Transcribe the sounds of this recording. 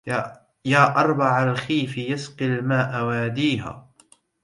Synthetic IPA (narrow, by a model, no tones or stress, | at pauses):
jaːʔɑɾˤbɑʕalxiːfɪjasqɪlmaːʔawaːd̪iːɦa̰ː